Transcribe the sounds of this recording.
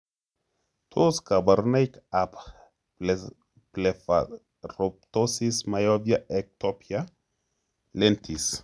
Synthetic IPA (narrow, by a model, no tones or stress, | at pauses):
t̪ʰoskabaɾnejkap | plefa | rop̚t̪osismajobjaʔek̚t̪opja | lent̪ʰis